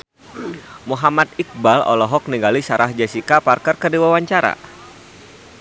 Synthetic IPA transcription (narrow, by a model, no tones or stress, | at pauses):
muɦamat̪̚ik̚balɔ̰lɔɦɔk̚niŋɡalisaɾahd͡ʒasikaparkərkərdiwawaɲt͡ʃaɾa̰